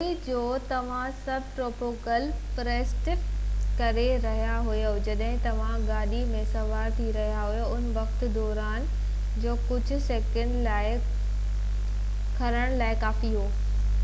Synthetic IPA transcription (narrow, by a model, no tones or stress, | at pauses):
id͡ʑoːt̪ɐʋ̤ãsɐbʱʈɾoːʈoːkəlpɾeːsʈɪpkɐɾeɾɐɦijaɦʊjod͡ʑɐɗɦɪ̃t̪ɐʋ̤ãɡaːɗimẽsɐʋaːɾt̪ʰiɾɐɦijaɦʊjoʊnʋɐkt̪ʊ̆d̪ɔːɾaːn | d͡ʑoːkʊd͡ʑʱʊ̆seːkə̃ɳɖlaːɪ | kʰɐɾəɽ̃laːɪkaːfiɦoː